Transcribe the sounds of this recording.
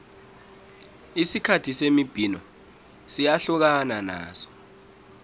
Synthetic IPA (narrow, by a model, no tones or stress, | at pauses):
isikʰatʰisemib̥ʱinɔ | sijaɬuk̬anana̰ːsɔ̥